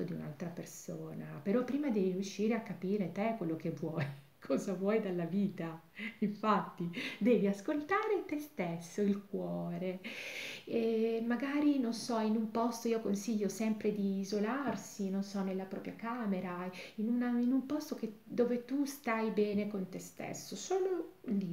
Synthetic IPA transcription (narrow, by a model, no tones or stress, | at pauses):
od̪iṵna̰lt̪ɾapersoːnapeɾɔpːɾiːmad̪ɛvirjuʃːiːɾeakːapiːɾet̪ekːwelːokevːwɔj | kʰɔzavwɔjd̪alːaviːt̪a | iɱfat̪ːid̪ɛːviaskolt̪aːɾet̪est̪esːoilk̚wɔːɾe | ɛmaɡaːɾinonsɔinumpɔst̪oiːokonsiʎːosɛmpɾed̪iːzolarsinonsɔnːelːapɾɔ̰ːpɾjakaːmeɾainunainumpɔst̪ok̟ed̪oːvet̪ust̪ajbɛːnekont̪est̪ḛsːosoːloli